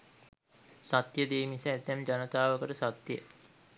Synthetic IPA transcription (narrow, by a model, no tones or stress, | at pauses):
sat̪jəd̪eːmisæːt̪ːɛmd͡ʒanət̪aːʋəkəʈəsat̪jə